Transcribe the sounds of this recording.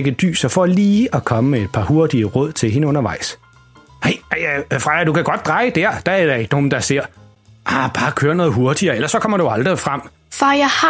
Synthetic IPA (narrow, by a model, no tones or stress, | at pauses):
ɡ̥əd̥y̰ːsɒfɒliːɒkʰɒ̽məmeed̥̚pʰɑ̈hoɐd̥iəʁɔð̰ˠt͡sʰe̝lɦe̝nəɔ̽nɐʋɑ̈ɪ̰s | heɪææfʁɑ̈d̥ukæɡ̥ɒ̽d̥̚ʁɑ̈ɪəd̥æɐ̰d̥ææɐɾ̥ɑ̈e̝ɡ̥əno̝ːn̩d̥ɑ̈seɐ̰ | ʔɑb̥ɑ̈ːkʰøːɐnɔ̽ːð̩ˠɦo̝ɐd̥iɐːelɐsːɒ̽kʰɒ̽m̰ɐɾeuuɑ̈ld̥ʁifʁɑm̰ | fɑjah